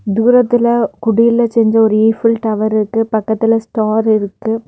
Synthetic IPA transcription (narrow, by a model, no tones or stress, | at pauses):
d̪uːɾɐt̪ːɪlɐkʊɽɪjɪlɐt͡ʃɛɲd͡ʒɐɔɾɯiːfɪlʈ̪ɐʋɐɾɪɾɯkːɯpɐkːɐt̪ːɪlɐsʈaːɾɪɾɯkːɯ